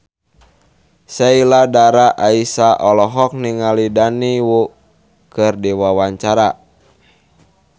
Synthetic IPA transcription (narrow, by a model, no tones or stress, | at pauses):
sailadaɾaʔaisaʔɔlɔɦɔk̚niŋalidaniwu | kɨrdiwawaɲt͡ʃaɾa